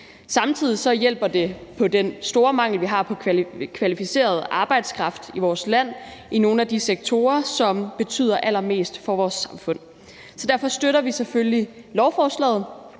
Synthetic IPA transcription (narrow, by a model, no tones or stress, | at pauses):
sɑ̈mt͡sʰið̞̰ˠisɒ̽jel̰b̥ɐd̥e̝pʰɒ̽d̥ensd̥o̝ːɐmɑ̈ŋ̰l̩ʋiɦɑ̈ːpʰɒ̽kʰʋælifise̝̰ːɐð̞ˠʔɑ̈ːb̥ɑ̈ɪd̥skʰʁɑ̈fd̥iʋɒːslæn̰ino̝ːn̩æd̥iseɡ̥̚t͡sʰo̝ːɐsɒ̽mb̥e̝t͡sʰy̰ːð̰ˠɐʔæl̰ɐme̝̰ːsd̥fɒ̽ʋɒːsːɑ̈mfɔ̽n̰ | sɒ̽d̥æɐfɒ̽sd̥øɾɐʋiseføli | lɒʊfɒːslɛ̰ːð̩ˠ